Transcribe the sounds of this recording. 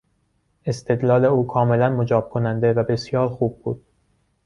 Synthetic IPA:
e̞st̪ʰe̞d̪lɒːle̞uːkʰɒːme̞lænmo̞d͡ʒɒːb̥̚kʰo̞nænd̪e̞væbe̞sjɒːɾxuːb̚ːṵːd̪̥̚

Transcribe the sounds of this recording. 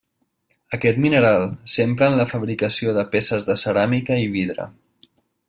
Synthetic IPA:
əkɛt̪minəɾalˠsempɾəːnləfəβɾikəsioðəpesəzðəsəɾamikəiβ̞iðɾə̰

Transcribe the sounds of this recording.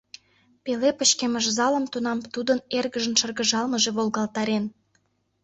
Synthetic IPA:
pelepə̆ɕkeməʒzɑlə̆mt̪unɑmt̪ud̪ənerɣəʒə̆nʃərɣə̆ʒɑlməʒeβolˠɣɑlt̪ɑɾen

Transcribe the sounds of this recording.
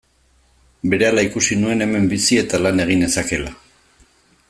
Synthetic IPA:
be̞ɾe̞alaikusinue̞ne̞me̞mbisie̞t̪alane̞ɣ̞ine̞sake̞la

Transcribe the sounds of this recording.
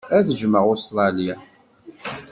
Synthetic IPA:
æðəʒməʁost̪ɾˤɑlijæ

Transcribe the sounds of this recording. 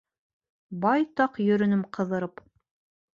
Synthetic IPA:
bɑjt̪ɑqjɵ̆ɾɵ̆nɘmqʰɤ̆ðɤ̆ɾɤp

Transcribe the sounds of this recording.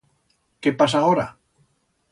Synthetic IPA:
kepas̬aoɾa̰

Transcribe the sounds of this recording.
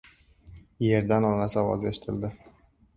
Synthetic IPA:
je̞ɾd̪anɒnasɒwɒzeʃɪ̥t̪ʰɪld̪ɪ

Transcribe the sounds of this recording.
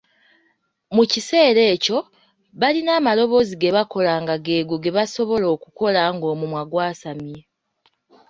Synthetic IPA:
mucise̞ːɾe̞ːco̞ | βalinaːmalo̞βo̞ziɡe̞βako̞laːŋɡaɡe̞ːɡuɡe̞βaso̞βo̞lo̞ːkuko̞laŋɡo̞ːmumwaɡwaːsamje

